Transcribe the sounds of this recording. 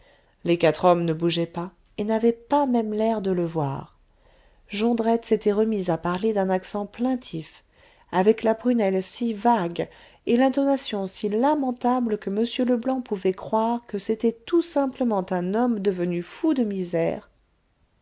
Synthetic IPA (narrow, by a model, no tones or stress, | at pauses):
lekat̪χɔmnəbuʒɛpa | enavɛpamɛmlɛʁd̪ələvwa̰ʁ | ʒɑ̃d̪ʁɛt̪set̪ɛʁəmizapaʁled̪ɛ̃naksɑ̃plɛ̃t̪ʰif | avɛklapχynɛlsivaɡ | elɛ̃t̪ɔnasjɔ̃silamɑ̃t̪abləkəməsjøləblɑ̃puvɛkχwaʁkəset̪ɛt̪usɛ̃pləmɑ̃t̪ɛ̃nɔmd̪əvənyfud̪əmizɛːʁ